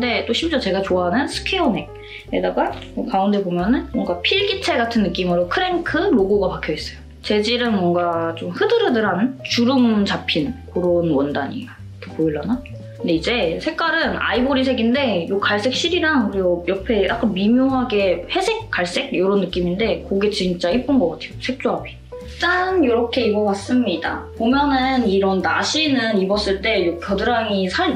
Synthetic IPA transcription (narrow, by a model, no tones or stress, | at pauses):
kʰɯnde̞t͈oɕʰimd͡ʑʌt͡ɕe̞ɡat͡ɕoaɦanɯnsʰɯ̥kʰeone̞k̚ | edaɡamʌkaunde̞bomjʌnɯnmwʌŋɡapʰiɭɡitʰe̞ɡatʰɯnːɯk͈imɯɾokʰɯɾeŋkʰɯɾoɡoɡapakʰjʌis͈ʌjo | t͡ɕe̞d͡ʑiɾɯnmwʌŋɡat͡ɕomhɯdɯɾɯdɯɾant͡ɕuɾɯmt͡ɕapʰinkoɾonwʌndaɲḭa | kʰepoiɭːana | knde̞id͡ʑe̞sʰe̞k͈aɾɯna̰iboɾisʰe̞ɡinde̞jokaɭs͈e̞k̚ɕ͈iɾiɾaŋkɯɾiɡojʌpʰe̞a̰k͈anmimjoŋɦaɡe̞he̞sʰe̞k̚k͈ːaɭs͈e̞ɡ̚joɾonːɯk͈iminde̞koɡet͡ɕint͡ɕ͈aip͈unɡʌk͈atʰe̞josʰe̞k̚t͡ɕ͈uɦapʰi̥ | t͈anjoɾʌkʰe̞iɡʌwas͈ɯmɲida̰pomjʌnɯniɾʌnnaɕʰinɯnibʌs͈ɯɭt͈e̞jokjʌdɯɾaŋisʰaɭ